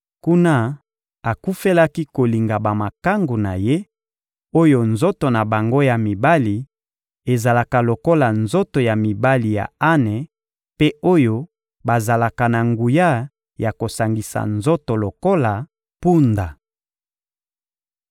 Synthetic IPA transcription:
ku˦na˦ | a˨ku˦fe˦la˦ki˦ko˨li˨ŋɡa˨ba˨ma˨ka˦ŋɡu˨na˨je˦ | o˦jo˨nzo˦to˨na˨ba˨ŋɡo˦ja˨mi˨ba˦li˨ | e˨za˨la˨ka˨lo˨ko˦la˨nzo˦to˨ja˨mi˨ba˦li˨ja̰˨a˦nɛ˨ | pe˦o˦jo˦ | ba˨za˨la˨ka˨na˨ŋɡu˨ja˦ | ja˨ko˨sa˨ŋɡi˨sa̰˨nzo˦to˨lo˨ko˦la˨ | pu˦nda˨

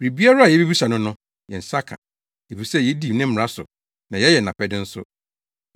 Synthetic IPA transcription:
ɾi˨bi˦a˦ɾa˦a˨jɛ˨˦bi˦bi˦sa˨nʊ̃˦nʊ̃˦ | jɛ˨n̩˨sa˦kʰã̰˨ | e˨fi˨sɛ˦˨jɛ˨˦di˦˨nɪ̃˦m˦˨a˦sʊ̰˨ | nã˨jɛ˦jɛ˨n˨ã˨pʰɛ˦dɪ̃˦n̩˦sʊ̰˦

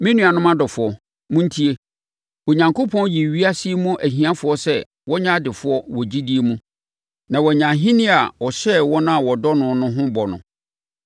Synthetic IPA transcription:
mɪ̃˦nũ˦a˨nʊ̃˦mã˦dɔ˨fʊ˨ɔ˨ | mʊ̃˦n̩˦tʰi˦e˦ | wɔ˨ɲã˨ŋkʰo˦pʰɔ̃˦n˦ji˨ɥi˦a˦si˦e˦mũ˦ʔæ˨ɦĩ˨a˦fʊ˨ɔ˦sɛ˦ | wɔ˦ɲã˦dɪ˨fʊ˨˦ɔ˦wɔ˨d͡ʑi˦di˦e˦mũ˦ | nã˨wɔ˨ɲã˨ɦĩ˦nĩ˦a˨ɔ˨ɕɛ˦wɔ˦nʊ̃˦a˨wɔ˨dɔ˦nʊ̃˨nʊ̃˦ɦʊ̃˦bɔ˨nʊ̰̃˨

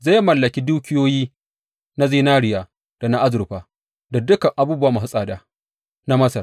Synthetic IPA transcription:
zaː˦jmɐ˨lːɐ˨kʲi˦duː˦kʲɪ˦joː˦jiː˦ | na˦ziː˦naː˦ɽɪ˨jaː˨ | d̥a˨na˦ʔa˦zʊ˨ɾɸaː˨ | da˨dʊ˦kɐ˨ŋʔa˨buː˦bʊ˦waː˦mʊ˨ɦɪ˦sʼaː˨daː˦˨ | na˦mɐ˦sɐ˨r

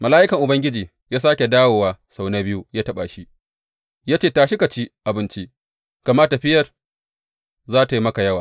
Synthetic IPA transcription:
mɐ˨laː˦ʔɪ˦kɐ˨ŋʔʊ˨bɐ˦ŋɡʲɪ˦d͡ʒiː˨ | jaː˦s̬aː˦kʲe˨daː˦woː˨waː˨sa˨wnɐ˦bɪ˦ju˦jaː˦tɐ˦ɓa˨ʃi˦ | jaː˦t͡ʃeː˦˨taː˨ʃɪ˦ka˨t͡ʃi˦ʔa˨bɪ˦nt͡ʃi˦ | ka˨mɐ˦rta˨ɸɪ˦jɐ˨r | zaː˦ta˨ji˦mɐ˦ka˨jɐ˦waː˨

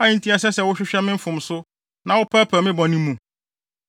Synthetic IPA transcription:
a˦ĩ˦n̩˦tʰi˦a˨sɛ˦sɛ˨wʊ˦ɕᶣɪ˦ɕᶣɛ˦mɪ̃˦m̩˦fʊ̃˨msʊ˦ | nã˨wʊ˦pʰa˦pʰæ˨mɪ̃˦bɔ̃˨nĩ˦mũ˨

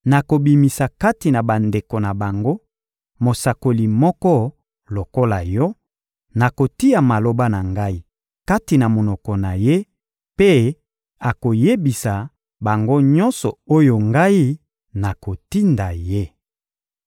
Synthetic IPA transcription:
na˨ko˨bi˨mi˨sa˨ka˦ti˨na˨ba˨nde˨ko˨na˨ba˨ŋɡo˦ | mo˨sa˨ko˨li˨mɔ˦kɔ˦ | lo˨ko˦la˨jɔ˦ | na˨ko˨ti˦a˨ma˨lo˨ba˦na˨ŋɡa˦i˦ | ka˦ti˨na˨mo˨nɔ˨kɔ˨na˨je˦ | pe˦ | a˨ko˨je˦bi˨sa˨ | ba˨ŋɡo˦ɲɔ̃˦nsɔ˨o˦jo˨ŋɡa˦i˦ | na˨ko˨ti˦nda˨je˦

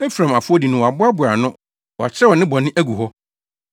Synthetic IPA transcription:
ɛ˦fɾã˨ma˨fʊ˦ɔ˦di˨nʊ̃˦wɔ˨a˨bʊ˦a˦bʊ˨a˨nʊ̃˦ | wɔ˨a˨t͡ɕʰɾɛ˦wɔ˨nɪ̃˦bɔ̃˨nɪ̃˦ʔæ˦ɡu˨hɔ˦

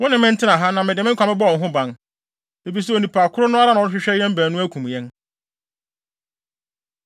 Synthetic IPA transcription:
wɔ˦nɪ̃˨mɪ̃˦n̩˦tʰɪ˦nã˨ɦa˦nã˨mɪ̃˨dɪ˨mɪ̃˦ŋ˦kʷã˨mɪ̃˦bɔ˦ɔ˨n˨ɦʊ̃˦bã˨n | e˨bi˨s̬ɛ˦˨o˨nĩ˨pʰa˨kʰʊ˦ɾʊ˦nʊ̃˦a˦ɾa˦nʊ̃˨˦ɔ˦ɕᶣɪ˦ɕᶣɛ˦jɛ̃˦m˦bæ˨nũ˦æ˦kʰũ˨m˨jɛ̃˦n

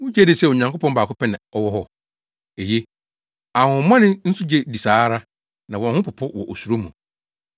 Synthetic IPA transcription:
wʊ̃˦d͡ʑɛ˦dɪ˦˨sɛ˦˨wɲã˨ŋkʊ˦pʰɔ̃˦nbaː˨kʰʊ˦pɛ˦nɪ̃˨ɔ˦wɔ˦ɦɔ˦ | e˨je˦ | a˨hʊ̃˨˦mã˦nɪ̃˦n̩˦su˦d͡ʑe˦di˨saː˨˦ɾa˦ | nã˨wɔ̃˨n˦hʊ̃˦pʰʊ˨pʰʊ˦wɔ̰˨ʔo˨su˨ɾo˦mṵ̃˨

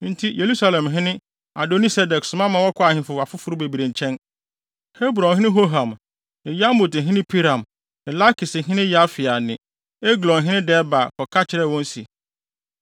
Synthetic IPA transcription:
n̩˦tʰi˦je˨ɾu˦sa˦lɛ̃˨mɦɪ̃˦nɪ̃˦ | a˨do˨ni˦sɛ˦dɛ˨ksʊ˨˦mã˦mã˨˦wɔ˦kʰʊ˦a˨hɪ̃˦fʊ˨wa˨fʊ˦fʊ˦ɾʊ˦be˨bi˨ɾẽ˨ɲ˨t͡ɕʰɛ̃˦n | he˦bɾɔ̃˨nɦɪ̃˦nɪ̃˦ɦo˦ɦã˨m | ɪ̃˨ja˦mo˨t̩˨ɦɪ̃˦nɪ̃˦pʰi˦ɾã˨m | nɪ̃˨la˦kʰɪ˨sɦɪ̃˦nɪ̃˦ja˦fɪ˨a˨nɪ̃˨ | e˦ɡlɔ̃˨nɦɪ̃˦nɪ̃˦dɛ˦ba˨kʰɔ˨kʰa˦t͡ɕʰɪ˨ɾɛ˦˨wɔ̃˦n̩˦sḭ˨

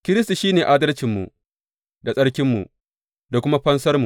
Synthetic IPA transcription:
kʲɪ˦ɾɪ˦s̬tu˨ʃiː˦neː˨ʔa˦dɐ˦lt͡ʃɪ˨mːṵ˨ | da˨sʼɐ˦ɽkʲɪ˦mːṵ˨ | da˨kʷʊ˦ma˦ɸɐ˦nsɐ˦rmu˨

